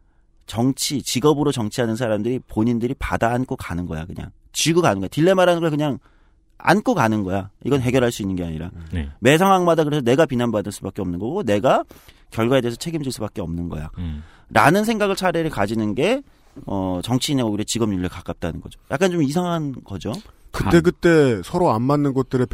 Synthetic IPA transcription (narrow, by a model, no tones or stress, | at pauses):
t͡ɕʌŋt͡ɕʰit͡ɕiɡʌbɯɾot͡ɕʌŋt͡ɕʰiɦanɯns̬ʰaɾamdɯɾipoɲindɯɾipadaːnk͈ʰokanɯnɡʌ̰ja̰kɯɲa̰ŋ | t͡ɕiɡɯkanɯnɡʌjatiɭːe̞maɾanɯnɡʌkɯɲaŋ | a̰nk͈ʰokanɯnɡʌjaiɡʌnɦe̞ɡjʌɦaɭs͈uinːɯnŋɡe̞aɲiɾa̰n̰me̞sʰaŋwaŋmadakɯɾesʰʌne̞ɡapinɦanbadɯɭs͈ubak͈eʌmnɯnɡʌɡone̞ɡa | kjʌɭɡwaedesʰʌt͡ɕʰe̞ɡimd͡ʑiɭs͈ubak͈e̞ʌmnɯnɡʌ̰ja̰ | ɾanɯnsʰe̞ŋɡaɡɯɭt͡ɕʰaɾeɾɯkad͡ʑinɯnɡe̞ | ʌt͡ɕʌŋt͡ɕʰineɡoɡɯɾeet͡ɕiɡʌmɲuʎːɯɭkak͈ap̚t͈anɯnɡʌd͡ʑoja̰k͈ant͡ɕomis̬ʰaŋɦanɡʌd͡ʑokɯt͈e̞ɡɯt͈e̞sʰʌɾoammːanːɯnɡot̚t͈ɯɾɯp